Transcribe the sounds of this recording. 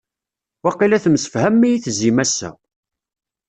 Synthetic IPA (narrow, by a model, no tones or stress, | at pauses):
wɑqilæθmsə̥fhæmːijiθzimæsːæ̰